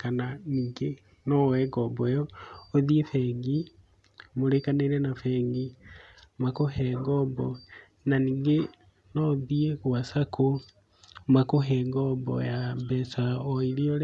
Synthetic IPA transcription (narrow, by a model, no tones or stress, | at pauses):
kananiːŋɡe | nɔwɛɡɔbɔɔoðiefɛŋɡi | moɾekaneɾɛnafɛŋɡi | makoɦɛŋɡɔmbɔ | naniːŋɡe | nɔðieɣwasakʰo | makoɦɛŋɡɔmbɔ̰jambɛsaɔiɾiɔɾɛ